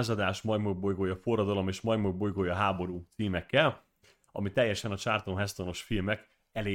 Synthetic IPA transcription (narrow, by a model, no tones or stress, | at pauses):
zɒd̪aːʃmɒjmoɟbojɡoːjɒfo̞rːɒd̪olo̞meːʃmɒjmobo̞jɡoːjɒɦaːbo̞ɾuːt̪siːmɛkːɛl | ɒ̰mit̪ɛjːɛʃɛnɒt͡ʃart̪onɦɛst̪ono̞ʃfilmɛk | ɛleː